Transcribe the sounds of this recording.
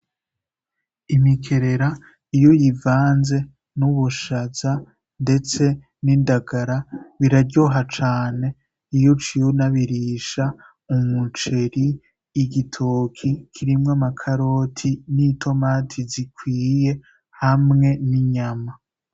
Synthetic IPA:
imikʰe̞ɾe̞ɾa | ijojivaːnze̞ | nuβuʃaz̥a | nde̞t͡se̞ | niːndaɡaɾaβiɾaɾɟoɦat͡ʃaːne̞ | ijot͡ʃionaβiɾiʃa | umut͡ʃe̞ɾiː | ɡitʰokʰikʰiɾimŋamakʰaɾo̞ːtʰinitʰo̞maːtʰizikwiːje̞ | hamŋe̞niɲama

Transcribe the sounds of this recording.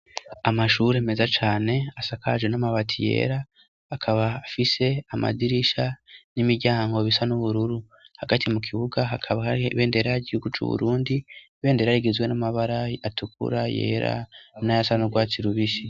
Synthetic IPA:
amaʃuːɾe̞ːme̞zat͡ʃaːne̞asakʰaʒwenamaβatʰije̞̰ːɾaː | kʰaβaːfise̞ama̰diɾiʃanimiɾɟaːŋɡo̞βisanuβuɾuɾu | haɡatʰimukʰiβuɡaɦakʰaβaβe̞ːnde̞ɾaaɟihuɡut͡ʃṵβṵɾuːndi | βe̞ːnde̞ɾaɾiɡezwe̞namaβaɾaatukṵɾaje̞̰ːɾa̰najasanuɡwaːt͡siɾuβiʃi

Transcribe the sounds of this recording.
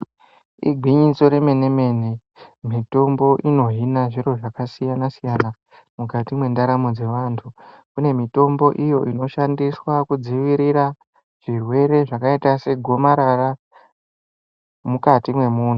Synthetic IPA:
ḭɡʱiɲiso̞ɾe̞me̞ne̞me̞ne | mito̞mbo̞ʔino̞ɦinaʐiɾo̞ʐakasijanasijana | mukatimwe̞ndaɾamod͡ze̞ʋaːntʰu | kune̞mito̞mbo̞ʔijo̞ʔino̞ʃandiswakud͡ziʋiɾiɾa | ʐ̥irwe̞ɾe̞ʐakaitase̞ɡʱo̞maɾara | mukatimwe̞muːn̤u

